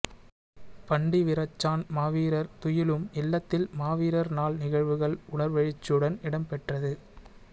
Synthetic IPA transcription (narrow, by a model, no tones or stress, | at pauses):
pɐɳɖiʋɪɾɐt͡ʃːaːnmaːʋiːɾɐɾt̪ʊjɪlɯmɪlːɐt̪ːɪlmaːʋiːɾɐɾnaːɭnɪɣɐɻʋɯɣɐɭʊɳɐɾʋɐɻɪt͡ʃːɯɽɐnɪɽɐmpɛʈrɐðɯ